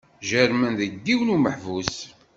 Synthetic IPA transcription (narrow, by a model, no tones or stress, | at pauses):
ʒəɾmænðəɡːiwnuməħvus